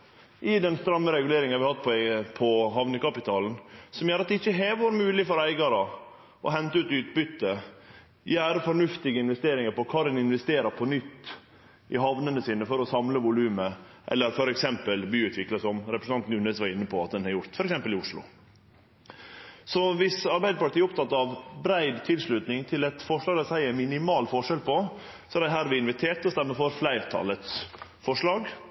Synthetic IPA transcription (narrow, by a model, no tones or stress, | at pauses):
ʔɪd̪ɛnst̪ɾɑmːəɾɛɡʉleːɾɪŋɑʋɪhɑt̪ːpʰɔpʰɔɦɑʋnəkɑpɪt̪ʰɑːln̩sɔmjæːɾɑt̪̚d̪ɛɪçːəɦeːʋəɾmʉːlɪfɔɾæɪɡɑɾə | ʔɔ̰ɦɛnt̪əʉːt̪ʉːt̪bʏt̪ːə | jææːɾəfɔɳʉft̪ɪɡəɪnʋɛst̪eːɾɪŋəɾpɔkʰɑːd̪ɛnɪnʋɛst̪eːɾəɾpʰɔnʏt̪ː | ʔɪɦɑʋnənəsiːnəfɔɾɔsɑmləʋʊlʉːmə | ʔɛ̰lːəɾfɔɾɛksɛmpəlbyːʉːt̪ʰʋɪkləsɔmɾɛpɾəsn̩ɑnt̪n̩ʉnɛsʋɑɾɪnːəpʰɔɑt̪̚d̪ɛnhɑɾjʊɾt̪fɔɾɛksɛmpəlɪʊʂlʊ̰ | sɔʋɪsɑɾbæɪd̪əpɑɾt̪iːɔpt̪ʰɑt̪ːɑʋbɾæɪd̪t̪ʰɪlʂɭʉt̪nɪŋt̪ʰɪlɛt̪fɔʂlɑːɡd̪æsæɪæmɪnɪmɑːlfɔʂɛlpʰɔ | sɔɛɾæɦæːɾʋɪɪnʋɪt̪ʰeːʈ̪ɔst̪ɛmːəfɔɾflæɪɾt̪ʰɑ̰ːlət̪sfɔʂlɑːɡ